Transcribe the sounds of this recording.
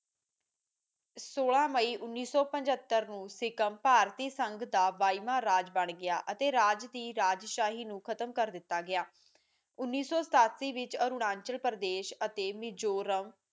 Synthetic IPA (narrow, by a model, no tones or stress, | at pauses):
soːlãːməiːʔʊnːiːsɔːpə̃ɲd͡ʒət̪ːəɾnũːsɪkəmpaːɾt̪iːsəŋɡd̪aːʋaːiːmãːɾaːd͡ʒbəɳɡɪa̰ːʔət̪eːɾaːd͡ʒd̪iːɾaːd͡ʒʃaːɦiːnũːkʰət̪əmkəɾd̪ɪt̪ːaːɡɪjaː | ʊnːiːsɔːsət̪aːt̪siːʋɪt͡ʃəɾuɽãːɲt͡ʃəlpəɾd̪eːʃət̪eːmɪd͡ʒoːɾəʋ